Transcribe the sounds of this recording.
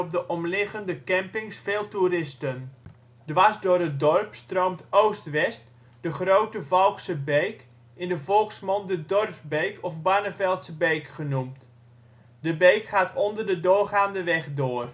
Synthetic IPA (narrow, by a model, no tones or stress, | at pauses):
ɔb̚dəʔɔmlɪɣəndəkɛmpɪŋsfeːlˠturɪstən | dʋasdʊːrət̚dɔrpstroːmtowstʋɛst | dəχrowtəvɔlˠksəbejk | ɪndəvɔlˠksmɔndədɔrfbejkʰɔfbaːnəvɛlˠtsəbejkχənumt | dəbejkχaːtʰɔndərdədʊːχaːndəʋɛχdoːr